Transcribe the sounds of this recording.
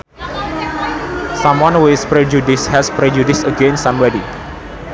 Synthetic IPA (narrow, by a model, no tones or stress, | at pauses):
sãmwãnwespɾɛd͡ʒudɪshɛspɾɛd͡ʒudisəɡẽnsãmbadi